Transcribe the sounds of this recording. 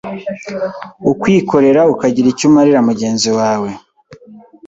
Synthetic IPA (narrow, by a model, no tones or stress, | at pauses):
ukwiːko̞ɾe̞ɾaukaɟiɾicumaɾiɾamuɟe̞ːnziwaːwe̞